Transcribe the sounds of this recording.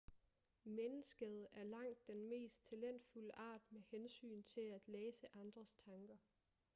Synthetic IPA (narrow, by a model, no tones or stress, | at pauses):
menəsɡ̥əð̞̩ˠæɐlɑ̈ŋ̰d̥ːenme̝̰ːsd̥̚t͡sʰælen̰d̥fuləʔɑ̈ːd̥mehensy̰ːnt͡sʰe̝læd̥leːsəʔɑ̈nd̥ʁɐst͡sʰɑ̈ŋɡ̥ɐ